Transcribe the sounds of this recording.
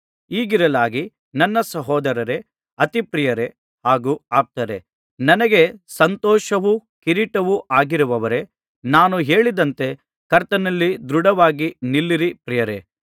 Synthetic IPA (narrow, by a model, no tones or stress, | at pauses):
iːɡiɾɐlaːɡi | nɐnːɐsɐɦɔːd̪ɐɾɐɾe̞ | ɐt̪ipɾijɐɾe̞ | haːɡuaːp̚t̪ɐɾe̞ | nɐnɐɡe̞sɐnt̪ɔːʃɐʋukiɾiʈɐʋuʔaːɡiɾuʋɐʋɐɾe̞ | naːnuɦeːɭid̪ɐnt̪e̞ | kɐɾt̪ɐnɐlːid̪ɾuɽɐʋaːɡinilːiɾipɾijɐɾe̞̰